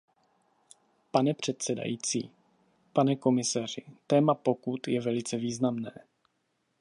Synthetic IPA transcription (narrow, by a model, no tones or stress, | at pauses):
panɛpr̝̥ɛt̪sɛda̰jiːt͡sḭː | panɛko̞mɪsar̝ɪt̪ɛːmapo̞kut̪jɛvɛlɪt͡sɛviːznamnɛː